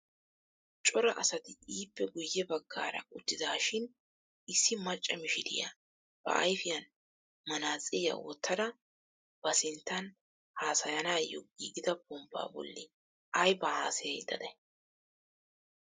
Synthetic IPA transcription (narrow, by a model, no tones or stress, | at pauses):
t͡ʃʼɔɾɐʔɐsɐt̪ɪiːpːɛɡʊjːɛbɐɡːaːɾɐ̰ʊt̪ːɪd̪aːʃɪn | ɪsːɪmɐt͡ʃʼːɐmɪʃɪd̪ɪ̰jɐ̰ | b̥ɐ̰ʔɐ̰jfɪjɐn | mɐnaːt͡sʼɪjɐ̰wɔt̪ːɐd̪ɐ | b̥ɐsɪnt̪ːɐn | haːsɐjɐnaːjːɔ̰ɡiːɡɪd̪ɐbʊmba̰ːbɔ̰lːɪ | ʔɐjbɐhaːsɐjɛjd̪ːɐd̪ɛ